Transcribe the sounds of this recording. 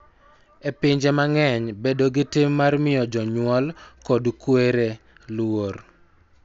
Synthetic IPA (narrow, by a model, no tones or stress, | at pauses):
epɪɲd͡ʒemaŋɛɲbedoɡɪtɪmːarmɪjɔd͡ʒɔɲwɔlkodkweɾe | lwor